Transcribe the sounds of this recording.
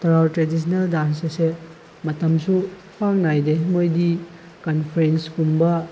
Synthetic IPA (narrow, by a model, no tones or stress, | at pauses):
tɐɾawtɾedis̬neldansɐse | mɐtɐmsu | pʰaŋnajdemojdi | kɐnpʰɐɾenskumbɐ